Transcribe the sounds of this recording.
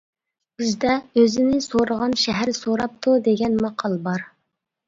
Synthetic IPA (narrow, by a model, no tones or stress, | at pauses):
bɪzd̪ɛøzɪnɪsoɾəʁɑnʃɛɦæɾsoɾɑp̚t̪ʰud̪eɡʲɛnmɑqʰɑlˠəbɑɾ